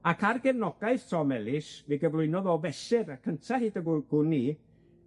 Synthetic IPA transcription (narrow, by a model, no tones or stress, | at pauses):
akʰarɡɛvnɔɡ̥aɨθtʰrɔmɛlˠɪsviɡəvlˠʊɨnɔðɔvɛsɪɾakʰəntʰahiːdəɡʊɡ̥ʊni